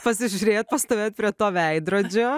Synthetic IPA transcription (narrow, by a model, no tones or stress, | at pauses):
pɐsʲɪʒʲʊɾʲeːt̪̚pɐst̪oːʋʲeːt̪̚pʲɾʲiɛt̪oːʋʲɛɪd̪ɾoːd͡ʒʲoː